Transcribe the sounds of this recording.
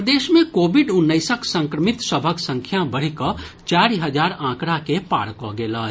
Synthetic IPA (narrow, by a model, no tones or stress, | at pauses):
d̪eːʃmẽkoːbɪɖʊnːəɪsəksə̃ŋkɾəmɪt̪səbʱəksə̃ŋkʰjabəɽ̤ikə | t͡ʃaːɾiɦəd͡ʒaːɾãːkɽakepa̰ːɽkɔɡeːla